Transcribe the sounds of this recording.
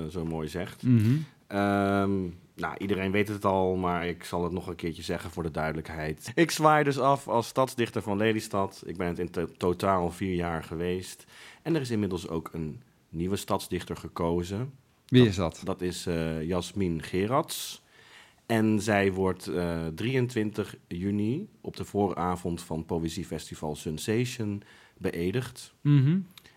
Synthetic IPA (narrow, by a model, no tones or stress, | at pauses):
zowmoːjzɛχt | ʔəm | na̰ʔidəɾejnʋejtɦətɑlˠmaːɹɪksɑlˠətnɔχənkɪːɹt͡ʃəzɛχənvʊːɹdədœɥdələkɦɛjtɪksʋaːjdɵs̬ɑfɑlˠstɑtzdɪχtəɹvɑnlejlistɑtɪ̰ɡ̚bɛnətɪntotaːlˠviːɹjaːɹχəʋejstɛnɛrɪs̬ɪnmɪdəlˠso̰wkʰənː | iʋəstɑtzdɪχtəɹχəkowzə | ʋiɪsdtdɑtɪsjɑsminχɪːrɑts | ɛnzɛjʋɔɹtdriəntʋɪntəχjyniʔɔb̚dəv̥ʊːrə̰ʔaːvɔntfɑnpowəzifɛstiv̥ɑ̰lˠsənsejʃən | bəʔejdəχt̩